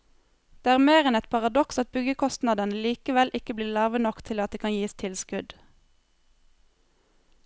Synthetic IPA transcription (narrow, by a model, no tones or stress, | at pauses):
d̪̥eːæːʁmeːʁɛnɛt̪pʰɑʁɑd̪ɔksɑt̪̚bʏɡəkʰɔst̪nɑd̪ənəliːkəʋɛlʔɪkəbliːʁlɑːʋənɔkt̪ʰɪlɑt̪̚eːkʰɑnjiːst̪ʰɪlskʉd̪